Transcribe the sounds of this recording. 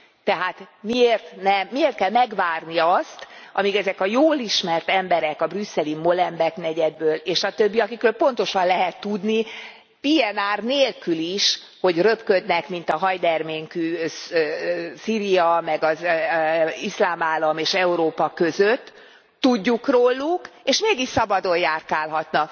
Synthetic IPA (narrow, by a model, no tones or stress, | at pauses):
t̪ɛɦaːt̪mieːrt̪nɛmːieːrt̪̚kɛlmɛɡvaːrniɒst̪ʔɒmikɛzɛkɒjoːliʃmɛrt̪ɛmbɛɾɛkɒbrysːɛlimo̞lɛmbɛknɛɟɛd̪̚bøːleːʃɒt̪øbːiɒkikrøːlpo̞n̪t̪o̞ʃɒnlɛɦɛt̪ːud̪ni | pijɛnaːrneːlkyliʃ | ho̞ɟrø̞pkød̪nɛkmin̪t̪ɒɦɒjd̪ɛrmeːŋky | siːɾijɒmɛɡɒz | islaːmaːlɒmeːʃɛuɾoːpɒkø̞zøt̪ː | uɟːukroːlːukeːʃmeːɡiʃsɒbɒd̪o̞jaːrkaːlɦɒt̪nɒk